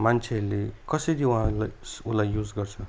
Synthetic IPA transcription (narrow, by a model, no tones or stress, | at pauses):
mant͡sʰeʌɾlekʌsʌjɾiũɦãlaulajjud͡zɡʌrt͡sʰʌ